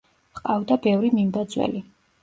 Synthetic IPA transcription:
qʼavd̪abɛvɾimimbad̪zwɛ̰li

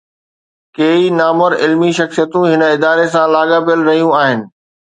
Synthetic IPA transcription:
keːinaːməɾɪlmiʃɐxsijət̪ũɦɪnəɪd̪aːɾes̬ãlaːɠaːpjəlɾɐɦijũaːɦɪnɪ̆

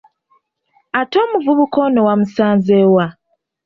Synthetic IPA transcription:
ato̞ːmuvuβuko̞nowamusaːnzeːwa

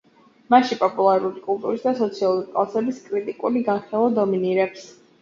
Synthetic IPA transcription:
maʃipʼɔpʼulˠaɾulikʼulˠt̪ʼuɾisd̪asɔt̪sʰialˠuɾikʼlˠasɛbiskʼɾit̪ʼikʼuliɡanχɛlˠɔd̪ɔminiɾɛps

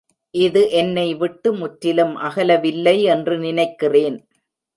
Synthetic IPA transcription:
ʔɪðɯʔɛnːɐɪʋɪʈːɯmʊʈɾɪlɯmʔɐɣɐlɐʋɪlːɐɪɛndrɯnɪnɐɪkːɪreːn

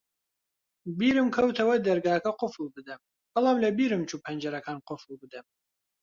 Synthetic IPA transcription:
biːɾɨmkʰɐwt̪ʰɐwɐd̪ɐɾɡaːkʰɐqʊfɨlbɨd̪ɐm | bɐlˠaːmlebiːɾɨmt͡ʃʰupʰɐnd͡ʒɐɾɐkʰaːnqʊfɨlˠbɨd̪ɐm

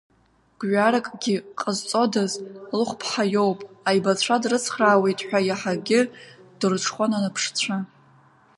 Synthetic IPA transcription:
ɡ̥ʷɥaɾakʼɡʲɪqʼəzt͡sʼo̞dazlɨχʷpʰħajo̞wpʼajbat͡ɕʷʰadrɨt͡sʰχraːwe̞jtʼħʷᶣajaħaɡʲɪd̥ɨrʈ͡ʂʰχʷananɨpʰʂt͡sʷʰa

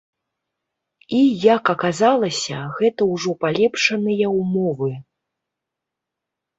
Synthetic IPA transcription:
ijɐkɐkazalˠɐsʲɐɣɛt̪ɐwʐɔpalʲɛpʂɐnɨjɐwmɔvɨ

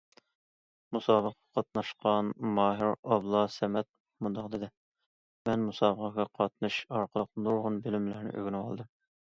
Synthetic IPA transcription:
musɑːbəqɑqʰɑt̪̚nɑʃqɑnmɑːɦɪɾɑblˠɑsɛmɛt̪̚ | mund̪ɑqd̪ɨd̪ɪ | mɛnmusɑːbəqɑɡʲɑqʰɑt̪̚nɨʃɑɾqʰəlˠəqnoʁʊnbɪlɪmlæɾnɪ̰ʔø̰ɡʲinɪwɑ̰lˠd̪ɨm

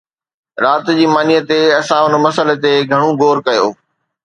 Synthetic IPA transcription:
ɾaːt̪d͡ʑiːmaːnijət̪eɐsãʊnəmɐsəlet̪eɡʱɐɽ̃ũɡoːɾkɐjo̰ː

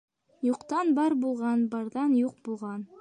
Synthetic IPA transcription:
juqt̪ɑnbɑɾbulˠʁɑnbɑɾðɑnjuq̚bulˠʁɑn

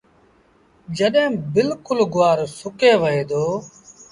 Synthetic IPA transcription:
d͡ʒəɗɦẽːbɪlkʊlɡʊʋaːɾsʊkeːʋəɦeːd̪oː

